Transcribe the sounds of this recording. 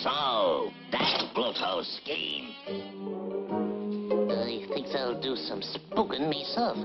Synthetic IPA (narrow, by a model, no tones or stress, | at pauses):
soʊðɨt̚b̥loʊtʰoʊskḭ̃n | əliθɪ̃ŋksaɪlˠdɨsʌ̃mspʊkɨ̃nmisɛlˠf